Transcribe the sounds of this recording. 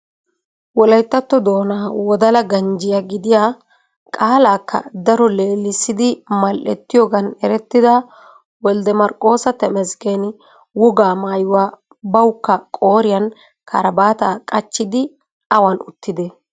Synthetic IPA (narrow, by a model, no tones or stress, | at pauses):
wɔlɐjt̪ːɐt̪ːɔd̪o̞ːnaːwɔd̪ɐlɐɡɐnd͡ʒɪjaɡɪd̪ɪjaː | kʼaːlaːkːɐ̰d̪ɐɾɔleːlːɪsːɪd̪ɪmɐlʔɛ̰t̪ːɪjoːɡɐnɛɾɛt̪ːɪd̪ɐ | wɔld̪ɛmɐɾkʼːo̞ːsɐt̪ɛmɛzken | wɔɡaːmaːjʊwaː | bɐwʊkːɐkʼo̞ːɾɪjɐn | kʰɐɾɐbaːt̪akʼɐt͡ʃːɪd̪ɪ | ɐwɐnʊt̪ːɪd̪ɛ